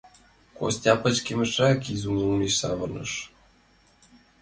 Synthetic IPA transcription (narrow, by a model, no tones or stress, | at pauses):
ko̰sʲtʲɑpɤ̆t͡ɕkimʲɘ̆ʃrɑkizumuniɕsɑ̰βɤ̆rnɤ̰̆ʃ